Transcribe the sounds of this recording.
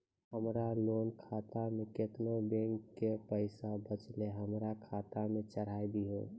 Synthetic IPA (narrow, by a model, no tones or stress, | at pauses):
ɦəmɾaloːnkʰaːt̪amẽket̪nobẽŋkːepəɪsabət͡ʃleɦəmɾakʰaːt̪amẽt͡ʃəɾ̤aibʱiɦo̰ː